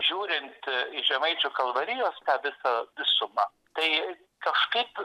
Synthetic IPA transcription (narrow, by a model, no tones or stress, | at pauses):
ʒʲuːɾʲɪnt̪ɪʒʲɛmɐɪt͡ʃʲʊːkɐlˠʋɐɾʲɪjoːst̪ɑːʋʲɪsɐʋʲɪsʊmɐ | t̪ɐɪ | kɐʃkɐɪp